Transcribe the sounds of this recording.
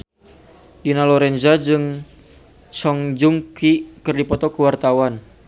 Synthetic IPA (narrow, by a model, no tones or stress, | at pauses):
dinalɔɾɛnzad͡ʒɨŋ | t͡ʃɔŋd͡ʒuŋkikɨrdipɔt̪ɔkəwart̪awan